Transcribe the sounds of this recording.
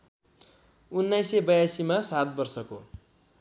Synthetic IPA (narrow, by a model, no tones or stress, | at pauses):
unːajsebʌjasimasat̪̚bʌrsʌko